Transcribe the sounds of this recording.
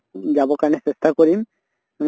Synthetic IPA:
d͡ʒabɔkaɹnesest̪ʰakoɹim

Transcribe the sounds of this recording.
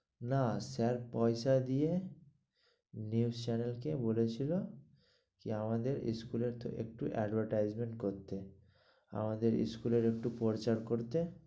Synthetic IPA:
nasɛɾpɔjʃad̪ije | niust͡ɕɛnelkebolet͡ɕʰilo | kiamad̪eɾḭskuleɾt̪o̰ʔḛk̚ʈuʔɛ̰ɖbʱaɾʈajd͡ʑmeɳʈkoɾt̪e | a̰mad̪eɾḭskuleɾek̚ʈupɔɾt͡ɕaɾkoɾt̪e

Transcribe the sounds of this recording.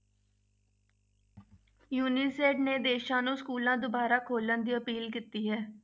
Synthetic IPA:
juːniːseːɖneːd̪eːʃãːnũːskuːlãːd̪ʊbaːɾaːkʰoːlənd̪iːəpiːlk̬iːt̪iːɦɛː

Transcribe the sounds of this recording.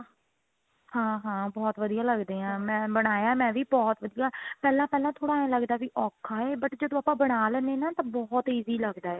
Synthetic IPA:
hãːɦãːbɔːt̪ʋəd̪ijaːləɡd̪eːãːmɛ̃ːbəɽ̃aːjaːmɛ̃ːʋiːbɔːt̪ʋəd̪ijaːpɛːlãːpɛːlãːt̪ʰoːɽaːnãːləɡd̪aːʋiːʔɔːkʰaːɛːbəʈd͡ʒəd̪õːaːpãːbəɽ̃aːlɛːneːnãːt̪ãːbɔːt̪iːziːləɡd̪aːɛː

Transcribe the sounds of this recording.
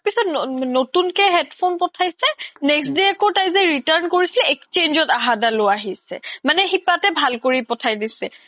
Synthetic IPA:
apisɔtnnotunkɛɦɛdpʰonpɔtʰajsɛnɛksdiakotajzɛɹitaɹnkoɹisilɛekst͡ʃend͡ʒɔtaɦadaloaɦisɛ̰manɛxipatɛbʱalkoɹipɔtʰajdisɛ̰

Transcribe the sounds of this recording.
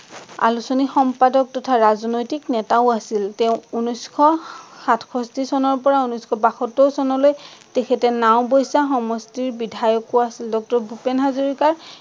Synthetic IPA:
a̰lusonixɔmpadɔk̚tɔtʰaɹazɔnojtiknɛtaʊasiltɛʊ̃unuskʰɔxatʰkʰɔstisɔnɔɹpɔɹaunuskʰɔbaxɔtɔwsɔnɔlojtɛkʰɛtɛnaʊ̃bɔjsaxɔmɔstiɹbidʱajɔkoasildɔk̚tɔɹbʱupenɦazoɹikaɹ

